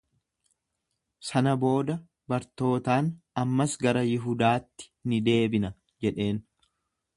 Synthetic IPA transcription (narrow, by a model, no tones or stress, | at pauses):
sɐnɐbo̞ːd̪ɐ | bɐɾt̪o̞ːt̪aːnɐmːɐsɡɐɾɐjɪɦʊd̪aːt̪ːɪ̥nɪd̪e̞ːbɪnɐ | d͡ʒɛᶑe̞ːn